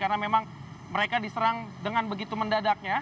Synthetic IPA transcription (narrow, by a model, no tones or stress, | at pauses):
karnamemaŋməɾekadisəɾaŋdəŋanbəɡit̪uməndadak̚ɲa